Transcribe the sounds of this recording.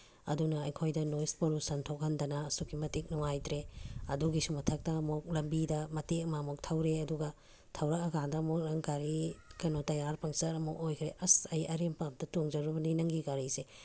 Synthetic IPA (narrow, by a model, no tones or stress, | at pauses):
ɐ̰dunɐɐjkʰojdɐnospolusɐntʰok̚ɦɐndɐnɐːsukʰːimɐtik̚nɔŋajtɾeɐduɡisumɐtʰɐk̚tɐːmuk̚lɐmbidɐmɐtekɐmamɔk̚tʰɐwɾeɐduɡɐ | tʰɐwɾɐk̚ɐɡadɐmok̚lɐŋɡaɾikɐjnotɐjaɾpʰɐŋsɐɾɐmuk̚ojkʰɾeʔɐsɐjʔɐɾempap̚dɐtoŋd͡ʒɐɾubɐninɐŋɡiɡaɾise